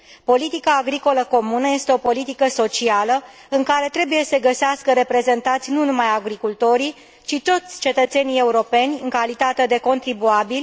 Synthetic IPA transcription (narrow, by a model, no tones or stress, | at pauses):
po̞lit̪ikaːɡɾiko̞ləko̞munəje̞st̪eo̞po̞lit̪ikəso̞t͡ʃialə | ɨŋkaɾe̞t̪ɾe̞buje̞səɡəseaskəɾe̞pɾe̞ze̞nt̪at̪sʲnunumajaɡɾikult̪o̞ɾi | t͡ʃit̪o̞t̪sʲt͡ʃe̞t̪ət̪se̞nije̞uɾo̞pe̞nʲɨŋkalit̪at̪e̞d̪e̞ko̞nt̪ɾibuabilʲ